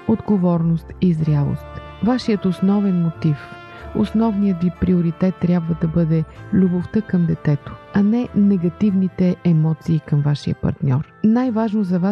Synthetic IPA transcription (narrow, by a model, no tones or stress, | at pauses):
od̪ɡovɔɾnost̪izɾʲalˠo̰st̪ | vaʃijət̪osnɔvɛnmot̪if | o̰snɔvnijət̪vipɾioɾit̪ɛt̪ːɾʲjabvəd̪ɐbɤd̪ɛlʲuboft̪əkɐmd̪ɛt̪ɛt̪o̥ɐnɛnɛɡɐt̪ivnit̪ɛʔɛmɔt̪siːkɐmvaʃijə̰pɐ̰ɾt̪nʲɔɾnajvaʒnozɐva